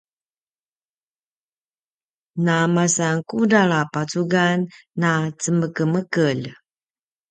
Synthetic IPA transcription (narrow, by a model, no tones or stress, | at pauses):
namasaŋkudaɭapat͡suɡanːat͡səməkəməkəl